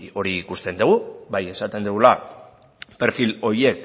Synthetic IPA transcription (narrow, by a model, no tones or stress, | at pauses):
o̞ɾiːkust̪e̞nd̪uɣ̞ubaje̞sat̪e̞nd̪uɣula | pe̞ɾfilo̞ie̞k